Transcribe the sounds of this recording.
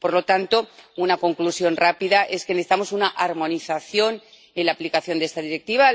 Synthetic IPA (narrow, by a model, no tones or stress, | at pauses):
po̞ɾlo̞t̪ant̪o̞unako̞ŋklusjo̞nrapiðaʔe̞ske̞neθit̪amo̞sunaʔaɾmõ̞niθaθjo̞n | enlaːplikaθjo̞nd̪ee̞st̪aðiɾe̞k̚t̪iβa